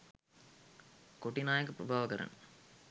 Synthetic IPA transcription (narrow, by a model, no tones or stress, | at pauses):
koʈːinaːjɐk̬ːɨpɾɐbʱaːʋɐkɐɾɐ̰n